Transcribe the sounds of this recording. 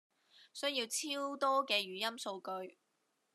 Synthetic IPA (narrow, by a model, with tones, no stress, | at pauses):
sɵ˥jiː˧wt͡sʰiː˥wt̪ɔː˥kɛː˧ɥyː˨jɐ˥mso˧wkɵ˧ɥ